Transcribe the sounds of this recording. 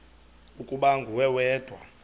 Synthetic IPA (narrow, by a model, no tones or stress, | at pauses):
ukʼuɓaŋɡʱuwɛwɛːd̥ʱwa